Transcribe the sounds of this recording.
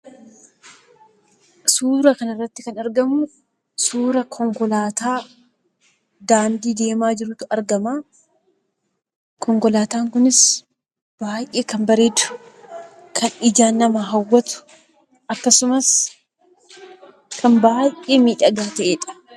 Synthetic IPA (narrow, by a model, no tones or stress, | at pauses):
suːɾɐkɐnɐrːɐt̪ːɪkɐnɐɾɡɐmʊ | suːɾɐkʰɔŋkɔlaːt̪aː | d̪aːnd̪iːd̪e̞ːmaːd͡ʒɪɾuːt̪ʊɐɾɡɐmaː | kʰɔŋkɔlaːt̪aːŋkʊnɪs | b̥aːjʔʔeːkɐmbɐɾe̞ːd̪ʊ̥ | kʰɐnɪd͡ʒaːnːɐmɐɦɐwːɐt̪ʊ̥ | ʔɐkːɐsʊmɐs | kʰɐmbaːjʔʔeːmiːᶑɐɡaːt̪ɐʔeːᶑɐ̥